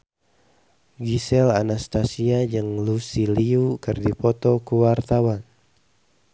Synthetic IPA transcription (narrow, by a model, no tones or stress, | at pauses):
ɡisɛlanast̪asiad͡ʒɨŋlusiliukɨrdipɔt̪ɔkuwart̪awan